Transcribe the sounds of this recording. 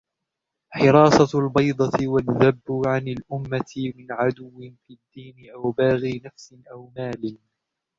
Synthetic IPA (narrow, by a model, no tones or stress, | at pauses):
ħɪɾɑːsˤɑlbɑjd̪ˤɑt̪ɪwaðːabːʕanɪlʔʊmːat̪ɪmɪnʕad̪ʊwːɪfid̪ːiːnɪʔawbaːɣiːnafsɪnʔawmaːlɪn